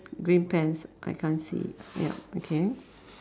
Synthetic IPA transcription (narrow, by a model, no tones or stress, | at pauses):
ɡɹĩnpɛ̃nsʔa̰jkʰãnsḭjɛ̰pokʰe